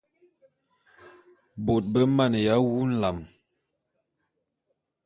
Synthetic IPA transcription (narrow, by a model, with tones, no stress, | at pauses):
bo˨t̚bə˦ma˦˨n˨ja˨˦wu˦n̩˦la˨m